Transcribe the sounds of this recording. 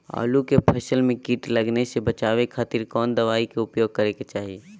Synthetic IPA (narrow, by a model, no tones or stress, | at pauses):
a̰ːlukepʰɛːsəlmẽkiʈləɡnesebət͡ʃaːʋekʰaːt̪ɪɾkɔːnd̪ɐʋaːikeʊpjoːɡ̚kəɾeket͡ʃaːɦie